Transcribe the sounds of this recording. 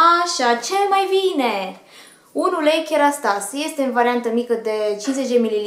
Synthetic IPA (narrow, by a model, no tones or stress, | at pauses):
aʃat͡ʃelmajvine | unulejkʲeɾast̪asje̞st̪e̞ɨnvaɾiant̪əmikəd̪e̞t͡ʃinze̞t͡ʃd̪emilili